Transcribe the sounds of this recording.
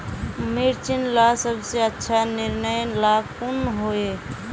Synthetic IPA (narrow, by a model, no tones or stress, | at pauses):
miɾt͡ʃinlasəbseətːʃʰaniɾnəjlakunɦoe